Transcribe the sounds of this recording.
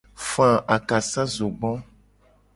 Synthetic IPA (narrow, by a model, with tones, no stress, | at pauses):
fã˨ʔa˨ka˨sa˦zo˨ɡ͡bɔ̃˦